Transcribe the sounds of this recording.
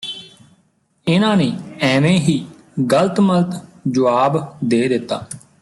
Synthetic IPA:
ɪnãːneːɛːmẽːɦiː | ɡələt̪məlt̪d͡ʒʊʋaːbd̪eːd̪ɪt̪ːaː

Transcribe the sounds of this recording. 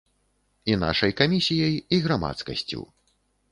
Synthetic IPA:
ina̰ʂɐjkamʲisʲijɐjiɣɾama̰t̪skɐ̰sʲt͡sʲṵw

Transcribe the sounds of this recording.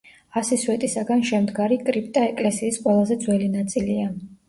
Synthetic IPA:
asiswɛt̪ʼisaɡanʃɛmd̪ɡaɾikʼɾipʼt̪ʼaɛkʼlɛsiːsqʼwɛlˠazɛd̪zwɛlinat̪sʼilia

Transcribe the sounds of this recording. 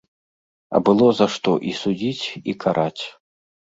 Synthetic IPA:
ɐ̰bɨlˠɔzaʂt̪ɔʔisud͡zʲit͡sʲikʰaɾʔat͡sʲ

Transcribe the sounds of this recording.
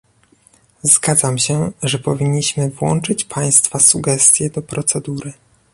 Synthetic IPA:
zɡad̪zamɕɛʐɛpɔvʲiɲːiɕmɘvwɔ̰nt͡ʂɘt͡ɕpʰaj̃st̪fasuɡɛst̪ʲjɛd̪ɔpɾɔt̪sɛd̪uɾɘ

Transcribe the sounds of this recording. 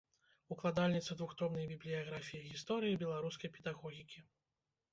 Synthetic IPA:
uklˠad̪alʲnʲit̪sɐd̪vuxt̪ɾɔbnɐjbʲiblʲijaɣɾafʲijiɣʲist̪ɔɾɨjibʲɛlˠaɾuskɐjpʲɛd̪aɣɔɣʲikʲi

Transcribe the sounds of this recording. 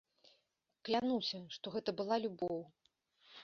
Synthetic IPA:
klʲanusʲɐʂt̪ɔɣɛt̪ɐbɨlˠalʲubɔw

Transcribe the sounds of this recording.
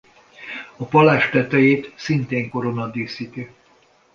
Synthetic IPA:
ɒpɒlaːʃt̪ɛt̪ɛjeːt̪sint̪eːŋko̞ɾo̞nɒd̪iːsiːt̪i

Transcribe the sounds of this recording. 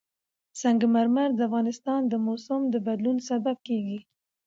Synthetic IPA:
saŋɡmaɾmaɾd̪əafɣɑnɪst̪ɑnd̪əmosʊmd̪əbad̪lunsabab̚keɡi

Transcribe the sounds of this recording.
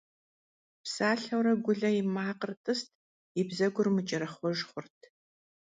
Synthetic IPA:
psaːɬɐwɾɐɡʷʊɮɐjɪmaːqərtʼɨstʰ | ɪbzɐɡʷʊrmɨt͡ʃʼɐɾɐχʷɔʒχʷʊrtʰ

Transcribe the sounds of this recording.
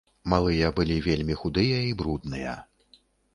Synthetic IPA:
malˠɨjɐbɨlʲivʲelʲmʲixud̪ɨjɐibɾud̪nɨjɐ̰

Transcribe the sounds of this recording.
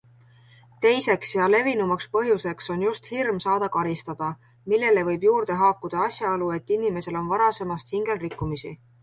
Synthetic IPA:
t̪e̞jse̞ksjɑle̞vinumɑkspɤɦjuse̞kso̞njust̪hirmsɑːd̪̥ɑkɑɾist̪ɑd̪̥ɑ | milːe̞le̞vɤ̞jbjuːrd̪̥e̞ɦɑːkːˑud̪̥ɑɑsjɑolue̞t̪ːˑinime̞se̞lo̞nvɑɾɑse̞mɑst̪hiŋɡ̥e̞lrikːˑumisḭ

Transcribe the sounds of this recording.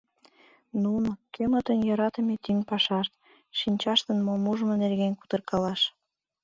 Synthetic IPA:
nunokʰømət̪ənjɑɾɑt̪əmet̪ynpɑʃɑʃt̪ | ʃinʲt͡ɕɑʃt̪ənmomuʒəmŏnerɣenku̥t̪ərkɑlɑʃ

